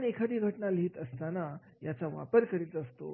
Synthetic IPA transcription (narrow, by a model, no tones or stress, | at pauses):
nekʰad̪ʱiːɡʱəʈnaliːt̪əst̪ana | jat͡saʋa̰pəɾkəɾiːt̪əst̪o̰